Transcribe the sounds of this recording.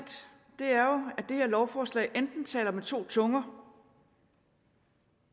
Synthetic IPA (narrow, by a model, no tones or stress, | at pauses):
d̥ | d̥e̝æɐjo̝æd̥e̝he̝ɐ̰lɒʊfɒːslɛ̰ɪʔend̥n̩t͡sʰɛ̰ːlɐmet͡sʰo̝̰ːt͡sʰɔ̽ŋɐ